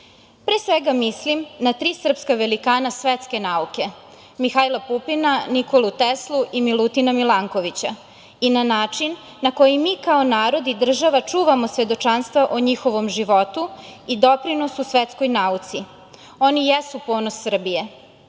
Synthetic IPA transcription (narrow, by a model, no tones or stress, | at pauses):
pɾeːsʋeɡamislimnat̪ɾiːsr̩pskaʋelikaːnasʋet̪ske̞nauke̞ | mixajlˠapupinaniko̞lut̪eslˠuʔimilut̪inamilaŋko̞ʋit͡ɕa | inanaːt͡ʂinː | ako̞jimiːkaonaːɾo̞d̪id̪r̩ʒaʋat͡ʃuːʋamosʋe̞d̪o̞t͡ʃanst̪ʋaʔoɲixo̞ʋo̞mʒiʋo̞t̪uid̪o̞pɾino̞susʋet̪skojnaut̪si | o̞nijesupo̞ːnosːr̩bije̞